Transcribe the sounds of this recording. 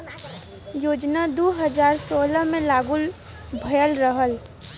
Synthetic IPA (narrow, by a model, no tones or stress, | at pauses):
joːd͡ʒnad̪oːɦəd͡ʒaːɾsoːləmẽlaːɡʊl | bʱəjəlɾəɦəl